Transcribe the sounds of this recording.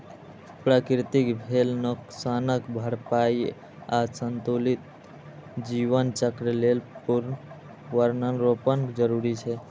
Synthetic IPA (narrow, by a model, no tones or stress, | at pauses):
pɾakɾit̪ikbʱelnuksanəkbʱəɾpai | asənt̪ulit̪̚ | d͡ʒiʋənt͡ʃəkɾəlelpuɾn | ʋəɾnənɾopənkd͡ʒəɾuɾit͡ʃʰɛ